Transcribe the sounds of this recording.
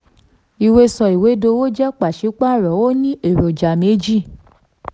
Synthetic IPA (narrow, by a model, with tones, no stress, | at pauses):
i˨we˧sɔ˧i˨we˨˦do˧wo˦d͡ʒɛ˦k͡pa˨ʃi˨˦k͡pa˦˨ɾɔ˨˦wo˦nĩ˦e˨ɾo˨d͡ʒa˨me˨˦d͡ʒi˦˨